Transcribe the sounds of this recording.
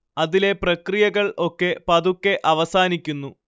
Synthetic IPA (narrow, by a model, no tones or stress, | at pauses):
ɐðile̞prɐkrijɐɣɐɭo̞kːe̞pɐðukːeʔɐʋɐsaːnikʲːunːu